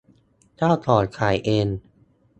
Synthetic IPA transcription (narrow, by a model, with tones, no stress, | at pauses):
t̪ʰaː˥˩t̪ʰɔː˨˩t̪̚kʰaː˨˩˦jʔeː˧n